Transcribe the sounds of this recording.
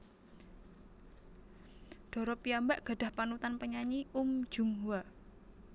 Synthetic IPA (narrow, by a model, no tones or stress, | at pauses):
ɖ̥ɔ̤ɾɔpiambaʔɡ̥a̤ɖ̥a̤hpanut̪anpəɲaɲium̥d͡ʒ̥ṳmɦua